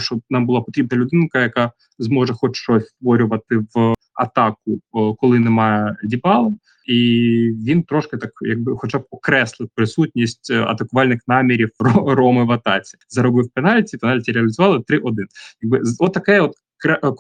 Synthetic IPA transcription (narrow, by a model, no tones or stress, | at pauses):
ʃɔnɑmbʊlˠɑpɔt̪ʲɾʲib̚nɐlʲʊd̪ɪnkɐjɐkɑ | zmɔʒɛxɔt͡ʃʃt͡ʃɔsʲst̪ʋɔɾʲʊʋɐt̪ɪʋ | ɐ̰t̪ɑk̚ʊkɔlˠɪnɛmɑjɛdʲibɑlˠɐ | iʋʲint̪ɾɔʃkɪt̪ɑkjɐɡ̚bɪxɔt͡ʃab̚ɔkɾɛslˠɪpɾɪsutʲnʲisʲtʲɐ̰t̪ɐkʊʋɑlʲnɪxnɑmʲiɾʲiwɔɾɔmɪʋɐt̪ɑt͡sʲizɐɾɔbɪwpenɑlʲtʲipenɑlʲtʲiɾeɐlʲɪzʊʋɑlˠɐt̪ɾɪʔɔd̪ɪnjɐɡ̚bɪzɔt̪ːɐkɛɔt̪ | kɾak